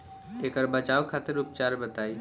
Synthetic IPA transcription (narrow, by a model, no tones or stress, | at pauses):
ekəɾbət͡ʃaːokʰaːt̪ɪɾʊp̚t͡ʃaːɾbɐt̪aːi